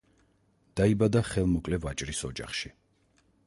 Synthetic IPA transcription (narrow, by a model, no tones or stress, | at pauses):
d̪̥aibad̪aχɛlˠmɔkʼlɛvat͡ʃʼɾisɔd͡ʒa̰χʃi